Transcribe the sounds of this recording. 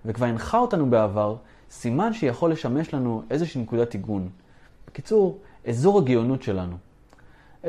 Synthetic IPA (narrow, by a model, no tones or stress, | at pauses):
vekvaʁinχaotanubeavaʁ | simanʃejaχo̞lːe̞ʃame̞ʃlanuʔe̞zeʃiːnekudatiɡun | b̥ekit͡suʁʔezoʁaɡijo̞nutʃe̞lanu